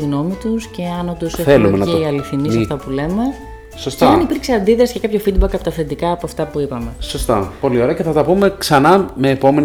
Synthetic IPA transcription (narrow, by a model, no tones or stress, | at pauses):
iɣno̞mit̪usce̞ɐno̞nd̪oseθelumenɐteiɐliθinissɐft̪ɐpule̞me̞ | sost̪ɐɐnipiɾkseɐnd̪iðɾɐsi̥cekɐpço̞fid̪̚bɐkɐpo̞t̪ɐfend̪ikɐːpoɐft̪ɐpuipɐme̞so̞st̪ɐ̰po̞lio̞ɾeɐceθɐt̪ɐpume̞ksɐnɐme̞ːpo̞me̞n